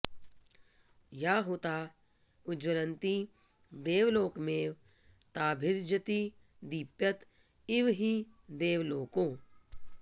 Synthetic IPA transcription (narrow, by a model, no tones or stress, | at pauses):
jaːɦut̪aː | ʊd͡ʒʋəɾənt̪i | d̪eːʋloːkmeːʋ | t̪aːbʱɪɾd͡ʒət̪i | d̪ipjɐt̪ | ɪʋɦid̪eːʋloːkõː